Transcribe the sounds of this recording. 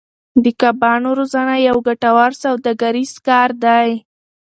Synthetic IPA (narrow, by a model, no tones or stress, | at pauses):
d̪əkabɑnoɾozanajawɡaʈawɑɾsawd̪aɡaɾiz̥kɑɾd̪aj